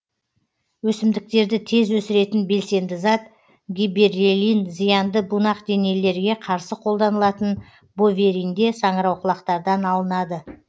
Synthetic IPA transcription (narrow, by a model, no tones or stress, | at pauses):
wɵsɪmd̪ɪk̚t̪e̞ɾd̪ɪt̪ʰe̞zwɵsɪɾe̞t̪ɪnbe̞lse̞nd̪ɪzɑt̪ | ɡʲibeɾelʲinzijɑnd̪əbunɑqd̪e̞ne̞lːe̞ɾɡʲe̞qʰɑɾsəqʰo̞lˠd̪ɑnəlˠɑt̪ən | bo̞vʲe̞ɾijnd̪e̞sɑɴəɾɑwqʰəlˠɑqt̪ɑɾd̪ɑnɑlˠənɑd̪ə